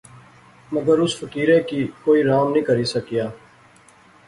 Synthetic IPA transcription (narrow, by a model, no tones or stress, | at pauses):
məɡəɾʊsfəkiːɾẽːkiːkoːiːɾaːmnĩːkəɾisəkijaː